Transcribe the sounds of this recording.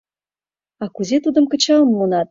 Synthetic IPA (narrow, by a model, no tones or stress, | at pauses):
ɑkuzʲet̪ud̪ɤ̆mkə̆t͡ɕɑlmːonɑt̪̚